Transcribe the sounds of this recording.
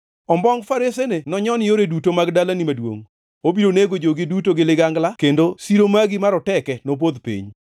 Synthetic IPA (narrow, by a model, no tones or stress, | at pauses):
ɔmbɔŋfaɾesenenɔɲɔnɪjoɾedutomaɡdalanimadwo̰ŋ | obiɾoneɡod͡ʒoɡɪdutoɡɪlɪɡaŋɡlakendosiɾomaɡimaɾɔtɛkɛnop̬od̪pḭɲ